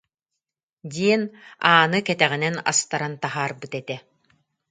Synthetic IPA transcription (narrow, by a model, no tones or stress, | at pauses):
d̪ʲiɛnaːnɯkɛt̪ɛʁinɛna̰st̪aɾant̪aɦaːɾbɯt̪ɛt̪ɛ